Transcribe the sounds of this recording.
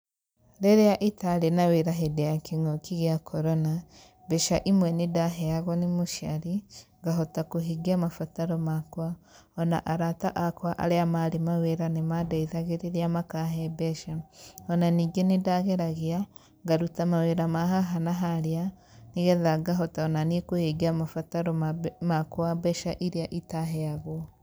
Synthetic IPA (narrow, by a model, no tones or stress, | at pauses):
ɾeɾejaʔitalenaweɾaɦedejakeŋokiɣjakʰɔɾɔna | bɛʃaʔimwɛnedaɦɛaɣɔnemoʃa̰ɾiŋɡaɦɔtakoɦiɡiamafataɾɔmakwa | ɔna̰ʔaɾata̰ʔakwaʔa̰ɾeamaɾemaweɾanemadaiðaɣeɾeɾeamakaɦɛbɛʃaɔnaniːɡenedaɣeɾaɣea | ŋɡaɾutamaweɾamaɦaɦanaɦaɾea | neɣɛðaɡaɦɔtaɔnanekoheɡiamafataɾɔmakwabɛʃaʔiɾeaʔitaɦɛaɣɔ